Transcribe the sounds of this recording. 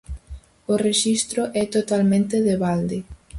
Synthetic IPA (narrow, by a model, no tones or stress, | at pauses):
ʊreʃist̪ɾʊʔɛt̪ot̪almẽnt̪ɪðeβald̪ɪ